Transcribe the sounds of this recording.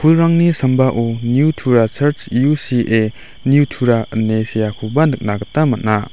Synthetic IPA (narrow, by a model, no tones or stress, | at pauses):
pʰulɾaŋnisɐmbaʔonjutʰuɾat͡ʃʰɐɾt͡ʃjusiʔe | nijutʰuɾanesijakʰubanɯk̚naɡɐtːamɐt̚na